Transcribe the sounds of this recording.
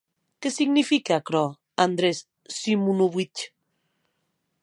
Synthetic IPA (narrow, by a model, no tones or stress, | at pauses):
kesiɡnifikeakɾɔ | and̪ɾesː | imunuβit͡ʃ